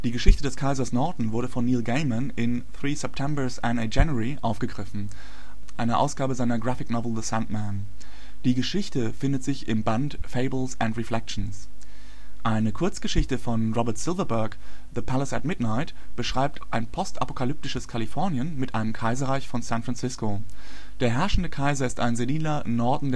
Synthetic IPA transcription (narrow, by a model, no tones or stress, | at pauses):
d̥iːɡəʃɪçtədɛskʰaɪzɐsnɔɐdn̩vʊɐɾəfɔnːiːlɡeɪmənɪn | θʁ̥iːsɛp̚tʰɛmbə˞sʔaned͡ʒɛnʁiʔaʊfɡ̥əɡʁɪfn̩ | ʔaɪnəʔa̰ʊsɡ̥aːbəzaɪnɐɡʁafɪknɔvl̩ðəsantmæn | d̥iːɡəʃɪçtəfɪndətz̥ɪçɪmbantfeɪbl̩sʊntʁɛflɛk̚ʃn̩s | ʔaɪnəkʰʊɐt͡sɡ̥əʃɪçtəfɔnʁɔbɐtsɪlvɐbɛɐkðəpʰaləsatmɪdnaɪt | b̥əʃʁ̥aɪp̚tʰʔaɪnpʰɔstʔa̰po̥kʰalʏp̚tɪʃəskʰalifɔɐnjənmɪtʔaɪnəmkʰaɪzɐʁaɪçfɔnsæ̃ntfʁansɪsko | d̥eːɐɦɛɐʃn̩dəkʰaɪzɐɪsta̰ɪnzediːlɐnɔɐdn̩d